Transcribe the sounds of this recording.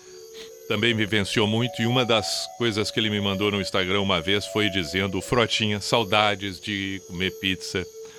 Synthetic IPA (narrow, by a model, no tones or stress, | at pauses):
t̪ɐ̃mbẽj̃mɪvẽsiomũj̃t̪ʊɪũmɐd̪ɐskojzɐskɪelɪmɪmɐ̃nd̪ownʊĩst̪aɡɾɐ̃ũmɐvesfojd͡ʒizẽnd̪ʊfɾɔt͡ʃĩɲɐsawd̪ad͡ʒɪzd͡ʒɪkomeɾpit̪sɐ